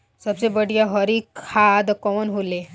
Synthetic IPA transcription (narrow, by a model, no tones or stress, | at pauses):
səbsebəɽijaɦəɾiːkʰad̪kɔmənɦule